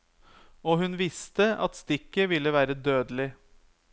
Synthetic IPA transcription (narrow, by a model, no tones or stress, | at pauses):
ɔːhʉnʋɪst̪əɑ̰t̪st̪ɪkːəʋɪlːəʋæːɾəd̪øːd̪əlɪ